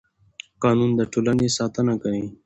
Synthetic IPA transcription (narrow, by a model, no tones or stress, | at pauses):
qɑːnuːnd̪əʈʰoːlanesɑːt̪ənakəĩ